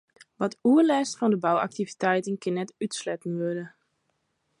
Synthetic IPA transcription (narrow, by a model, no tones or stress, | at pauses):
ʋɔtuəlɛstfɔndəbawa̰k̚tivitɛjtənkɪnːɛtytslɛtn̩ʋødə